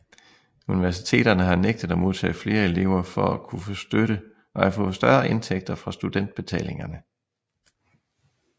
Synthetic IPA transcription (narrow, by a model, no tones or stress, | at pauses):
uniʋæɐsit͡sʰe̝̰ːd̥ɐnəɦɑ̈neɡ̥̚d̥ð̩ˠɒmo̝ð̞ˠt͡sʰɛ̰ːfle̝ːɐe̝le̝ʊɐfɒ̽ækʰufosd̥øɾ̥ə | ʔɒ̽hæfɔ̽ðsd̥ɶɐʔe̝nt͡sʰeɡ̥̚d̥ɐfʁɑ̈sd̥ud̥en̰d̥̚b̥e̝t͡sʰɛ̰ːle̝ŋɐnə